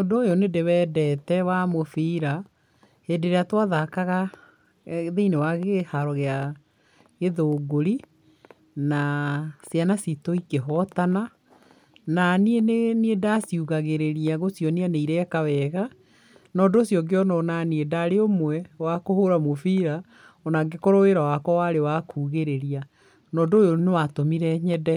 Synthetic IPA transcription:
ɔdoːjɔnedewɛːdɛtɛwamofiɾa | heːdeɾeatwaðakaɣa | ðeinewaɣehaɾɔɣea | ɣeðoːɡoɾi | nasjanasitoikeɦɔtana | nanieneniedasiuɣaɣeɾeɾiaɣosjɔneaneiɾɛkawɛɣa | nɔːdoːsjɔɡeɔnɔnaniedaɾeomwɛwakohoɾamofiɾa | ɔnaɡekɔɾoweɾawakɔwaɾewakʰuːɣeɾeɾia | nɔːdoːjonewatomiɾɛɲɛdɛ

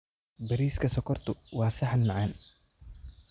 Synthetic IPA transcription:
bɐɾiːskʰɐsɔkʰɔrt̪ʰʊwɑːsɐħnmɐʕan

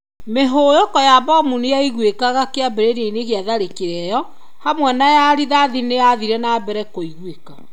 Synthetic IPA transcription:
meɦojɔkɔjabɔmunejaiɣwekaɣakeabeɾeɾeineɣeaðaɾekeɾɛjɔ | hamwɛnajaɾiðaðinejaðiɾɛnaːbɛɾɛkoiɣweka

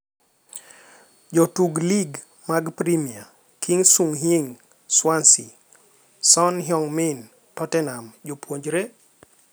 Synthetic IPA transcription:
d͡ʒɔtuɡliɡ | maɡpɾimia | kʰiŋsuŋɦiŋ | swansi | sɔnɦjɔŋmɪn | tɔtɛnamd͡ʒopwoɲd͡ʒɾe

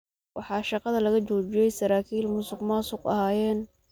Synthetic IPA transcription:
wʔɑħɑːʃɑqɑðɐlɐɣɐt͡ʃɔːt͡ʃɪjɛjsɐɾaːkʰiːlmʊsʊɡmaːsʊqɐ̰haːjɛːn

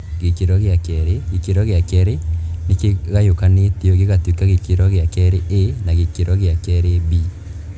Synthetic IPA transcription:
ɡekeɾɔɣeakɛɾeɡekeɾɔɣɪakɛɾenekeɣajokanetjoɡeɣatwikːaɣekiɾɔɣeakɛɾeʔenaɣekeɾɔɣɪakɛɾebi

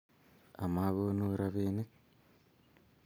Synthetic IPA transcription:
amaɣonuɾaβenek

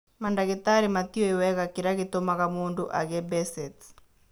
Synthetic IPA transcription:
mandaɣetaɾimatiɔiwɛɣakiɾaɣetomaɣamuːndoʔa̰ɣɛbɛsɛt

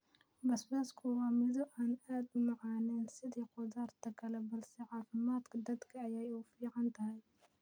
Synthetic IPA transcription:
bɐsbaːskʰʊwɑːmɪðʊʔaːnaːd̪ʊmɑʕɑːnɛːnsɪðiːqʊðaːrt̪ʰɐkʰɐlɛbɐlsɛʕɑːfɪmaːd̪kʰɐd̪ɐd̪kʰɐːjɛjuːfiːʕɑnt̪ʰɐɦɛj

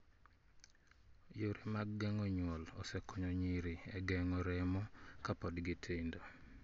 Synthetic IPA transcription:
joɾimaɡɡɛŋɔɲwɔlɔsɛkʰɔɲɔɲiɾiɛɡɛŋɔɾɛmɔkapɔdɡɪtʰɪndo

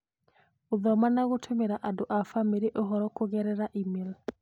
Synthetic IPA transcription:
oðɔmanaɣotʰemeɾaʔadoʔafamiɾeʔoɦɔɾɔkoɣɛɾɛɾaʔimil

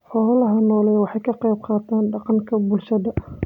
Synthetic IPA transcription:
ħɔːlɐlɐɦɐnɔːlɛjwɑħɑjkʰɐqɛjb̚qɑːt̪ʰaːnɖɑqɑŋkʰɐbʊlʃɐðɐ

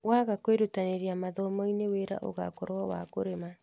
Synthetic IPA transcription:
waɣakweɾutaneɾiamaðɔmɔineweɾa̰ʔo̰ɣa̰koɾoɔwa̰koɾema

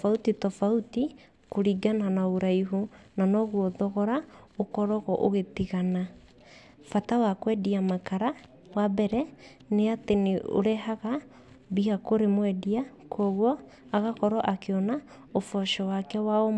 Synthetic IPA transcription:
fautitɔfauti | koɾiɡananaoɾaiɦunanɔɣwɔðɔɣɔɾaokɔɾɔɣɔʔoɣetiɣana | fatawakwɛdiamakaɾa | wabɛɾɛ | neateneʔo̰ɾeɦaɣa | bihakoɾemwɛdiakʰɔɣwɔ | aɣakɔɾɔʔakeɔna | ofɔʃɔwakɛwaɔ

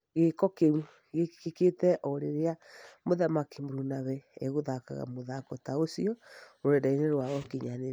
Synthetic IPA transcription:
ɣekɔkeu | ɣekkeketɛʔɔɾeɾeamoðamakimoɾunaβɛeɣoðaka̰ɣa̰moðakɔtaosiɔoɾɛdaineɾwaɣɔkeɲane

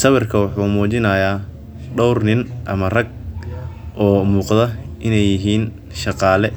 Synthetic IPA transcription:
sɐβɪrkʰɐwʊħuːmuːt͡ʃɪnɐjaː | ɖɔwrnɪnʔɐmɐrɐɡ̚ | ʔɔːmuːqðɐʔɪnɛjːɪɦiːn | ʃɑqɑːlɛ

